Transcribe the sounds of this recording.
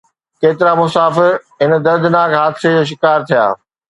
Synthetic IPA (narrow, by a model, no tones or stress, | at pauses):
keːt̪ɪɾamʊsaːfɪɾɦɪn̆d̪ɐɾd̪naːkɦaːd̪ɪsed͡ʑoːʃ̬ɪkaːɾt̪ʰija̰ː